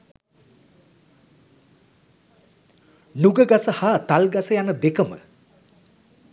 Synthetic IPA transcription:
nuɡəɡasəhat̪alɡasəjanəd̪ekəmə̰

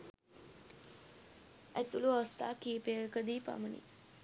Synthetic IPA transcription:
æt̪uluast̪a̰ːkiːpeɾəkəd̪iːpa̰mənḭ

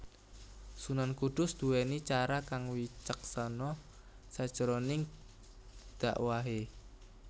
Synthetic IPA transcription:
sunankud̪̥ʊ̤sd̪̥uwɛnit͡ʃaɾakaŋwit͡ʃək̚sanɔ | sad̥ʒ̥əɾɔnɪŋ | d̪̥a̤̰ʔwaɦe

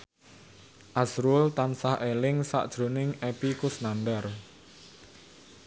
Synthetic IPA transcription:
ʔasɾʊlt̪ansahʔelɪŋsa̰ʔd̥ʒ̥ɾo̤nɪŋepikʊsnandər

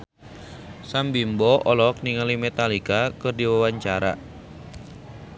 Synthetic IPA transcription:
sambimbɔʔɔlɔk̚niŋalimɛt̪alikakɨrdiwawaɲt͡ʃaɾa̰

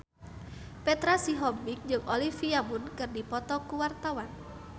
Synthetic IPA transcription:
pɛt̪ɾasiɦɔbik̚d͡ʒɨŋolifiamʊnkɨrdipɔt̪ɔkuwart̪awan

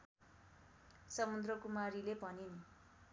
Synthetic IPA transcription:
sʌmund̪rʌkumaɾilepʌnin

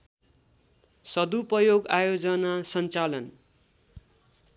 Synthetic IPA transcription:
sʌd̪upʌjoɡajod͡zʌnasʌnt͡salʌn

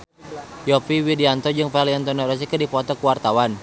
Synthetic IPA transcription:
jɔpiwidiant̪ɔd͡ʒɨŋfaliant̪ɔnɔɾɔs̬ikərdipɔt̪ɔkuwart̪awan

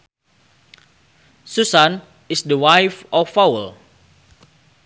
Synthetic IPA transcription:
susãn | isdəwajfɔfawəl

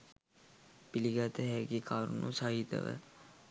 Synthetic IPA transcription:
piliɡat̪əɦæɡekʰaːɾunʔusaɦit̪ə̰ʋə̰

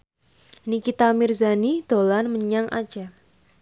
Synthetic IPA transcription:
nikit̪amirzanid̪̥o̤lanməɲaŋʔa̰d̥d͡ʒ̥a

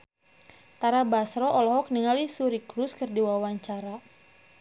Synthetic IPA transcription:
t̪aɾabasɾɔʔɔlɔɦɔk̚niŋalisuɾikɾuskɨrdiwawaɲt͡ʃaɾa

